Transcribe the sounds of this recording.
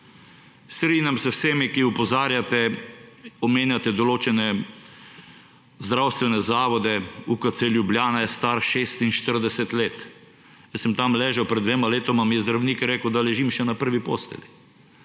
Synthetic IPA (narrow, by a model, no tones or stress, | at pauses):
st̪ɾiːnjamsɛwsemikiupɔzaːɾjat̪ɛ | ɔmeːnjat̪ɛd̪ɔloːt͡ʃɛnɛ | zd̪ɾawst̪ʋɛnɛzaːʋɔd̪ɛukat̪seljublʲjaːnajɛst̪aɾʃeːst̪inʃt̪əɾd̪ɛsɛt̪leːt̪ | jɛsɛmt̪amlɛːʒɛwpɾɛd̪d̪ʋeːmaleːt̪ɔmamijɛzd̪ɾawniːkɛɾeːkəwd̪alɛʒimʃɛnapəɾʋipo̰ːst̪ɛ̰li